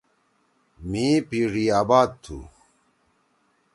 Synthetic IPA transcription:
mĩːpiːɖiːaːbaːd̪̚t̪ʰṵ

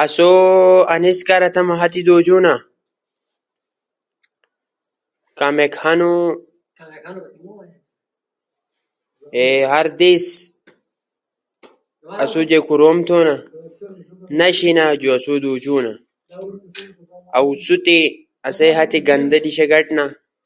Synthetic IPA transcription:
ʔɐsoːɐnɪskʼɐɾɐt̪ɐmɐɦɐt̪ɪd̪oːd͡ʒuːnɐ | kɐmɛkhɐnʊ | hɐɾd̪is | ɐsud͡ʒɛkʊɾomt̪onɐ | nɐʃɪnɐd͡ʒʊɐsuːd̪uːd͡ʒuːnɐ | ɐʊsʊt̪ʼɪ | ɐseːhɐt̪ɪɡɐnd̪ɐᶑɪʃɛɡɐᶑʼnɐ

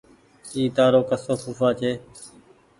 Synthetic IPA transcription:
iːt̪aːɾoːkəsoːsuːfaːt͡ʃʰeː

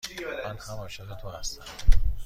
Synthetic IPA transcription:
mænhæmɒːʃeɣet̪ʰohæst̪æm

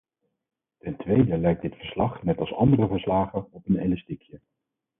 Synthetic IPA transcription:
tɛntʋejdəlɛjk̚d̥ɪtfə̥ɹslɑχnɛtɑlˠsɑ̰ndərəvəɹslaːχənɔpəneləstikjə

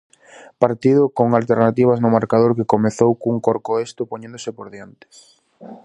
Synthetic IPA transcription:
paɾt̪iðʊkoŋalt̪eɾnat̪iβ̞aznʊmaɾkað̞oɾkekomeθowkuŋkoɾkoest̪ʊpoɲẽnd̪osɪpoɾðjent̪ɪ̥s

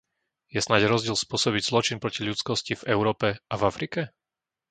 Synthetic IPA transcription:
jɛsnaɟɾɔzɟɪɛlspʊɔsɔbiɟzlɔt͡ʃinpɾɔciʎut͡skɔscivɛʊɾɔːpɛʔavafɾikɛ

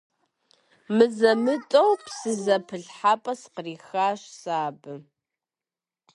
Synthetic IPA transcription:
mɨzɐmɨtʼɐwpsɨzɐpʰɨɮħaːpʼɐsqəriːxaːɕsaːbɨ

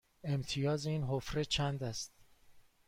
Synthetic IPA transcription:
e̞mt̪ʰijɒːziːnɦofɾet͡ʃʰænd̪æst̪̚

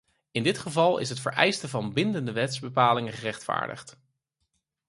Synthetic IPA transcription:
ɪndɪtχəvɑlˠɪ̰s̬ɦətfə̰ɹʔɛjstəvɑnbɪndəndəʋɛtzbəpaːlɪŋəχərɛχtfa̰ːɹdə̰χt

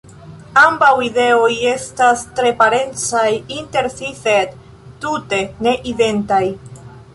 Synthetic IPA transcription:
ambawide̞oje̞stastɾe̞paɾe̞nt͡sajinte̞ɾsised | tute̞ne̞ʔide̞ntaj

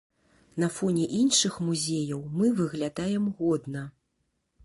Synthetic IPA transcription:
nɐfɔnʲɛʔinʂɨxmuzʲejɐwmɨvɨɣlʲad̪ajɛmɣɔd̪nɐ

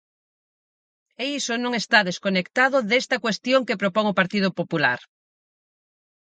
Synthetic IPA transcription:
eisonõŋest̪aðeskonekt̪aðʊðest̪ɐkwest̪joŋkepɾopɔŋopaɾt̪iðʊpopula̰ɾ

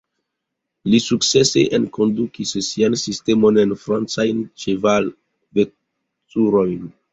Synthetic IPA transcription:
lisukt͡se̞sḛʔenko̞ndukissiansiste̞mo̞ne̞nfɾant͡sajnt͡ʃeval | ve | t͡suɾo̞jn

